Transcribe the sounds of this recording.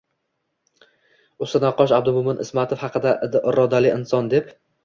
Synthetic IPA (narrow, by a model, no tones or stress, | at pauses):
ʊst̪ɪnaqːɒʃab̚d̪ʊmʊmɪnʔɪ̰smat̪ʰofhɑqʰɨd̪aɾɒd̪alɪʔɪnsɒnd̪ep